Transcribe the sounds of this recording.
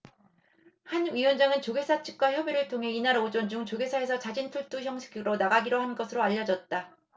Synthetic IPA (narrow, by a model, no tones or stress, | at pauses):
hanɥiwʌnd͡ʑaŋɯnt͡ɕoɡe̞sʰat͡ɕʰi̥k̚k͈waçjʌbiɾɯɭtʰoŋɦe̞inaɾod͡ʑond͡ʑuŋt͡ɕoɡe̞sʰae̞s̬ʰʌt͡ɕad͡ʑintʰuɭt͈uçjʌŋsʰe̥kʰɯɾonaɡaɡiɾoɦanɡʌsʰɯɾoaʎːʌd͡ʑʌt̚t͈a